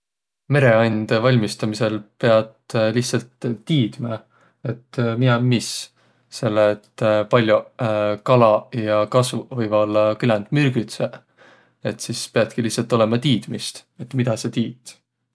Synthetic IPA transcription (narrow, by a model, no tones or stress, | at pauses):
me̞ɾe̞ɑjnnd̪̥evɑlʲmist̪ɑmise̞lpe̞ɑd̪lihtsɑlt̪ːiːd̪̥mɑ | e̞t̪ːmiɑːis | se̞lːet̪ːpɑlʲjokɑlɑjɑkɑsvuvɤjvɑlkylɑnd̪̥myɾɡ̥yt̪se | e̞t̪ːˑsispe̞ɑd̪̥̚kilihtsːɑlt̪ːˑo̞le̞mɑt̪iːd̪̥mist̪et̪ːmid̪̥ɑse̞t̪iːt̪ː